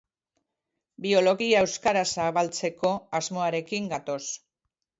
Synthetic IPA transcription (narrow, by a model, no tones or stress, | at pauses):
bio̞lo̞ɣiaewskaɾasaβalt͡se̞ko̞azmo̞aɾe̞kiŋɡat̪o̞s